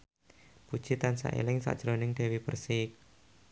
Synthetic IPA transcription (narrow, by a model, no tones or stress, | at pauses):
pud̥ʒ̥it̪ansa̰ʔḛlɪŋsa̰ʔd̥ʒ̥ɾonɪŋɖe̤wib̥ərsik̚